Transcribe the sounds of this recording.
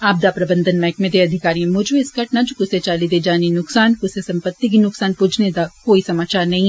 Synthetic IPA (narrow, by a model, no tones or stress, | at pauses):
aːb̚d̪apɾɐbə̃nd̪ʱənmɛ̃ːkmẽd̪eɐd̪ʱɪkaːɾiẽmʊd͡ʒʱbeɪsɡɐʈnad͡ʒokʊset͡ʃaːlid̪ed͡ʒaːninʊksaːnkʊsesɐ̃mpət̪ːik̬inʊksaːnpʊd͡ʒʰʱned̪akoːisɐmaːt͡ʃaːɾnɐɦĩ